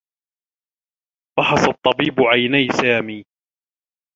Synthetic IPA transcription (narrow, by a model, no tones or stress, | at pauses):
bɑħɑsɑt̪ˤːɑbiːbʊʕajnajsaːmiː